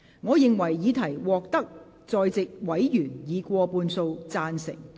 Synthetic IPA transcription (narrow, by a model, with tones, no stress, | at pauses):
ŋɔː˨˧jɪ˨ŋwɐ˨˩jːiː˨˧t̪ʰɐ˨˩jwɔː˨k̚t̪ɐ˥k̚ | t͡sɔː˧jt͡sɪ˨k̚wɐ˨˥jjyː˨˩njiː˨˧kʷɔː˧puː˧nso˧wt͡saː˧nsɪ̰˨˩ŋ